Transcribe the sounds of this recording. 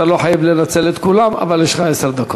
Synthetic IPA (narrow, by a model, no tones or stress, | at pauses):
alo̞ħajavlenat͡selet̪kulama̰valeʃʁaeseʁd̪ako